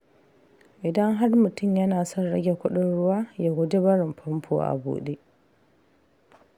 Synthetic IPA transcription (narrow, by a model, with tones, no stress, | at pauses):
ʔɪ˨dɐ˦ŋɦa˦rmʊ˨tʊ˦mjɐ˦naː˨sɔ˦˨nɽɐ̰˦ɡʲe˨kʷʊ˦ɗɪ˦nɽʊ˦waː˦jaː˦ɡʷʊ˦de˦bɐ˦ɽɪ˨mpʰɔ˦mpʰo̰ː˨ʔa̰˨bo̰ː˨ɗe˦